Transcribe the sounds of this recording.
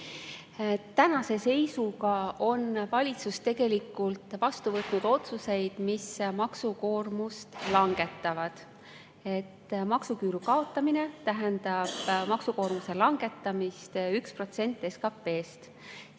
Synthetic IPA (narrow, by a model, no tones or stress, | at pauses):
t̪ænɑse̞se̞jsuɡɑo̞nvɑlʲit̪sust̪e̞ɡ̥e̞likːˑult̪vɑst̪uvɤt̪ˑnud̪̥o̞t̪suse̞jd̪̥mismɑksuko̞ːrmust̪lɑŋɡ̥e̞t̪ːˑɑvɑd̪̥ | e̞t̪ːmɑksukyːɾukɑo̞t̪ːˑɑmine̞t̪æɦend̪ɑb̥mɑksuko̞ːrmuse̞lɑŋɡ̥e̞t̪ːˑɑmist̪ykspro̞t̪se̞nʲt̪ːˑe̞skɑpːe̞ːst̪